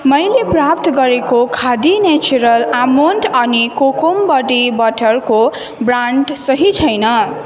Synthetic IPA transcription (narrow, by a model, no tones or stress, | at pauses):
mʌjleprap̚t̪ʌɡʌɾekokʰad̪inet͡suɾʌlamonʈʌnikokombʌɖibʌʈʌrko | braɳɖsʌɦit͡sʰʌjnʌ